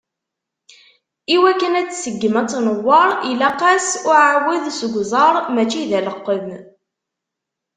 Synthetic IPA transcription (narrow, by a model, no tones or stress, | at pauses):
iwækːənæt͡sːsəɡːəmæt͡sːnəwːɑɾˤilæqæsʊʕawiðsəɡʷzˤɑɾˤmæt͡ʃːiðæləqːəm